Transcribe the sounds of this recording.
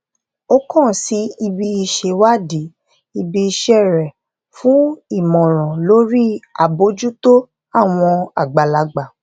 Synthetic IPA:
o˦kɔ̃˦˨si˨˦i˧bi˧i˧ʃe˧wa˦di˨˦ | i˧bi˧i˧ʃe˧ɛ˦˨ɾɛ˨ | fũ˨˦i˦˨mɔ̃˨ɾ̃ã˨lo˨˦ɾi˦a̰˨bo˨˦d͡ʒu˦to˦ | a˦˨w̃ɔ̃˧a̰˨ɡ͡ba˨la˨˧ɡ͡ba˨

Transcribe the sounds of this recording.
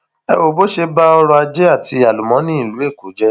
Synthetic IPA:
ɛ̰˧wo˨bo˦ʃe˧ba˦ɔ˧ɾɔ˧a˧d͡ʒɛ˦a˦˨tʰi˧a˨lu˨mɔ̃˨˦nĩ˦i˦˨lu˨˦e˦˨ku˨˦d͡ʒɛ˦

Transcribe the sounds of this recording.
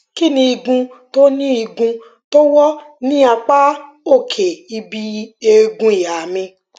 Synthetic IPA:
ki˦˨nĩ˧i˧ɡũ˧to˦nĩ˦i˧ɡũ˧ | to˦wɔ˦nĩ˦a˧k͡pa˦ | o˦˨kʰe˨i˧bi˧e˦˧ɡũ˧i˨ja˨mĩ˧

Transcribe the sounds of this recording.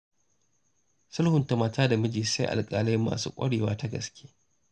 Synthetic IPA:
sʊ˦lhʊ˨ntɐ˨maː˨taː˦da˨mɐ˦d͡ʒiː˨sa˦ʔa̰˨lkʼaː˨la˦jɪ˦mːa̰ː˨sṵː˦kʷʼɐ̰˦ɽeː˨wa̰ː˦ta˦ɡɐ̰˨skʲʰe̥ː˦

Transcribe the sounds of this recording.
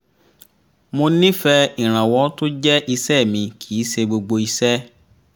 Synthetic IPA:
mõ˧nĩ˦fɛ˦ĩ˨ɾ̃ã˨wɔ˨˦to˦d͡ʒɛ˦ʔi˧sɛ˦˨mĩ˧kʰi˨˦se˧ɡ͡bo˧ɡ͡bo˧i˧sɛ˦

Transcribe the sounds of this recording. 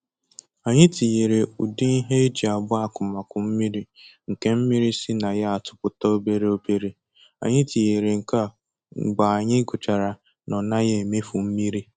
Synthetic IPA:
a˨ɲɪ˦ti˨je˨ɾe˨u˨di˦i˦ɦe˦e˦d͡ʒi˨a˨bʊ˦a˦kʊ˨ma˨kʊ˨m̩˦mi˦ɾi˦ŋ̩˨ke˦m̩˦mi˦ɾi˦si˦na˨ja˦a˨tʊ̥˨pʊ˨ta˦o˦be˦ɾe˦o˦be˦ɾe˦ | a̰˨ɲɪ˦ti˨je˨ɾe˨ŋ̩˨ka˦˨ | ɡ͡ba˨a˨ɲɪ˦ɡʊ˨t͡ʃa˨ɾa˨ | nɔ˨na˦je˦e˨me˦fu˨m̩˦mi˦ɾi˦

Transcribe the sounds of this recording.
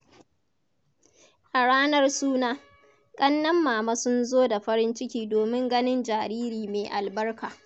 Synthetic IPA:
ʔa˨ɽaː˦nɐ˦rsuː˦naː˦ | kʼɐ˦nːɐ˦mːaː˨ma˦sʊ˦nzoː˦da˨ɸɐ˦ɾɪ˦nt͡ʃɪ˦kʲiː˦doː˨mɪ˦ŋɡɐ˦nɪ˦nd͡ʒaː˨ɾiː˦ɾiː˨meː˨ʔa˨lbɐ˦rkaː˨

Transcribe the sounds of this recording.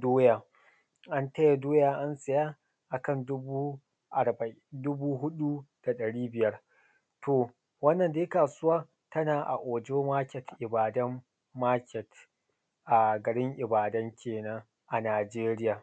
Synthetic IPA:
doː˦jaː˨ | ʔa˦ntɐ˦ja˨doː˦jaː˨ʔa˦nsʼɐ˨jaː˦ | ʔa˨kɐ˦ndʊ˦bu˦ | ʔa˨bɐ˨ʔɪ˦ndʊ˦buː˦ɦʊ˦ɗu˦d̥a˨ɗɐ˨ɽiː˦bɪ˨jɐ˦r | tʰoː˨ | wɐ˦nːɐ˨nda˨je˦kaː˨sʊ˦waː˦ | tɐ˦naː˨ʔa̰˨ʔoː˨d͡ʒoː˦maː˦kʲɛ˨tʔɪ˨baː˨dɐ˦mː | aː˦kʲɛ˨t | ʔa˨ɡɐ˨ɽɪ˦ŋʔɪ˨baː˨dɐ˦ŋkʲʰeː˨na˦ŋ | ʔa˨naː˨d͡ʒeː˦ɾɪ˦jaː˨

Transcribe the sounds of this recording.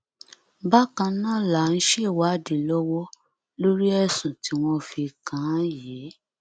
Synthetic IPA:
ba˦kã˧˦nãː˦˨la˨n̩˦ʃe˦˨wa˨˦˨de˨lɔ˦wɔ˦ | lo˦ɾi˦ɛ˦˨sũ˨ti˨˦w̃ɔ̃˦fi˧kã˨˦jɛː˨˦

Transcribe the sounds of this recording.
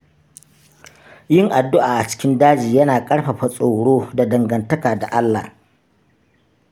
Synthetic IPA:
jɪ˦ŋʔa˨dːʊ˦ʔaː˨ʔa˨t͡ʃɪ̥˦kʲɪ˦ndaː˦d͡ʒiː˨jɐ˦naː˨kʼɐ˦ɽɸɐ˨ɸa˨sʼo˨ɽoː˦da˨dɐ˨ŋɡɐ˨ntɐ˦kaː˨da˨ʔa˦lːa̰ː˨

